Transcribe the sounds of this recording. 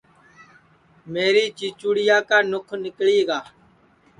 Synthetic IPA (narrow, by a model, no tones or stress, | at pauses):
meːɾiːt͡ʃiːt͡ʃuːɽɪjaːkaːnʊkʰnɪkɽiːɡaː